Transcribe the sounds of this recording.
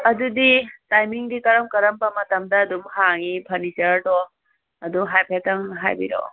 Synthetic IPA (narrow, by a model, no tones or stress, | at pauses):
ɐduditajmiŋdikɐɾɐmkɐɾɐmpɐmɐt̪ɐmd̪aːd̪umhaŋipʰɐnit͡ʃɐɾdɔ | ɐd̪uɦajpʰet̪ɐŋɦajbḭɾɔ̰